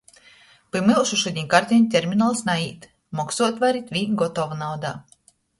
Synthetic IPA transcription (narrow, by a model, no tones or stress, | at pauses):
pɨmɨlˠʃuʃud̪ʲiɲʲkaɾt̪ʲɛnʲt̪ʲeɾmʲinalˠsnaiːt̪ | mɔksuɔt̪vaɾit̪vʲiːɡɔt̪ɔvunawd̪a̰ː